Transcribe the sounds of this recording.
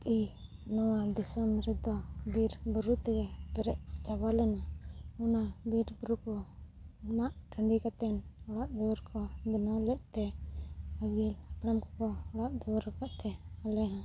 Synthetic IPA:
ki | nɔwad̪isɔmiɾit̪̚d̪ɔbiɾbəɾut̪ɛɡɛpɛɾɛʔ̚t͡ʃabalɛnaunabiɾbəɾukɔ | maʔʈʰəɳɖikat̪ɛnɔɽaʔd̪ɔwɾkʰɔbinɔlɛʔ̪̚t̪ɛ | əɡilabɾamkɔkɔɔɽaʔd̪ɔwɾɔkaʔt̪ɛalɛɦã

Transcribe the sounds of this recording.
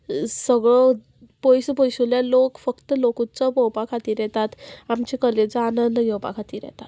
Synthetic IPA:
səɡɭɔ | pojspojsuljalokfəkt̪əlokut͡sɔpəwpakʰat̪iːɾjɛt̪at̪amt͡ɕikəɾlet͡səanənd̪əɡewpa̰kʰat̪iːɾjɛ̰t̪at̪

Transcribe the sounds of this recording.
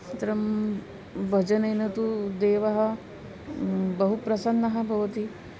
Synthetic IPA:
t̪ɐɾɐm | bʱɐd͡ʒɐnɐjnɐt̪ud̪eːʋɐɦɐ̆ | bɐɦupɾɐsɐnːɐɦɐ̆bʱɐʋɐt̪i

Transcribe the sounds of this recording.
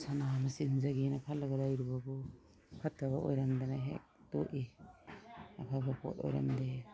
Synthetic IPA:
sanamasinzaɡinakʰalːaɡadajɾubabɔ | kʰatʰːabaʔo̰jɾamdanaɦḛk̚tɔ̰ʔi | apʰabapʰɔ̰tɔ̰jɾa̰mde

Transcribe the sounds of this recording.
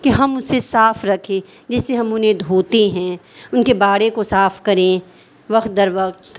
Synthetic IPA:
kiɦɐmʊsesaːfɾɐkʰẽː | d͡ʒɛːseɦɐmʊnɦẽd̪ʱoːt̪eɦɛ̃ːʊnkebaːɽekosaːfkɐɾẽ | ʋɐqt̪̚d̪ɐɾʋɐqt̪

